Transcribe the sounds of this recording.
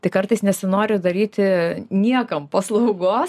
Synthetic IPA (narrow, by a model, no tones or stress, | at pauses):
t̪ɐɪkɐɾt̪ɐɪsnʲɛsʲɪnoːɾʲɪd̪ɐɾʲiːt̪ʲɪnʲiɛkɐmpɐslˠɐʊɡoːs